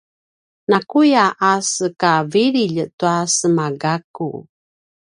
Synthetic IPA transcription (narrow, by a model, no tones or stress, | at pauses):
nakujaʔasəkaviɾiʎətuasəmaɡakṵ